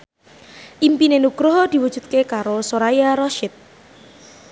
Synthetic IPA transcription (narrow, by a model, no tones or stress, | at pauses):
ʔimpinenuɡ̥ɾʊɦd̪̥i̤wu̥ʒ̥ṳt̪̚kekaɾosoɾajaɾɔʃɪt̪̚